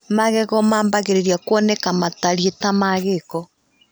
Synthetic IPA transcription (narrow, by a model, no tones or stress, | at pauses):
maɣɛɣɔmaːmbaɣeɾeɾiakwɔnɛkamataɾietamaɣekɔ